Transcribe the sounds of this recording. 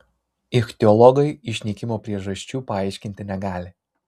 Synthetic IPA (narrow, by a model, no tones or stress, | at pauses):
ɪxt̪ʲɛɔlˠɔɡɐɪɪʃʲnʲikʲɪmoːpʲɾʲiɛʒɐʃʲt͡ʃʲuːpɐɑˑɪʃʲkʲɪnʲt̪ʲɪnʲɛɡɑːlʲɪ